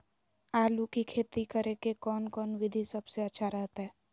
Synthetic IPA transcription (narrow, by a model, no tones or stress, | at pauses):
aːlukikʰeːt̪ikəɾekekɔːnkɔːnʋɪd̪ʱisɐbseɐtːʃʰaɾɛɦt̪aɦɛː